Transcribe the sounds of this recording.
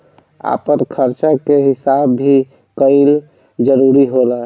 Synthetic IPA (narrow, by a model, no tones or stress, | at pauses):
a̰pəɾkʰəɾt͡ʃakeɦɪsabʱi | kəɪl | d͡ʒəɾuɾiɦolaɦ